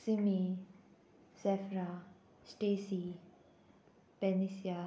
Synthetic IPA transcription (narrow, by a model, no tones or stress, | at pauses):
sɪmi | sɛfɾa | sʈesi | pɛnisia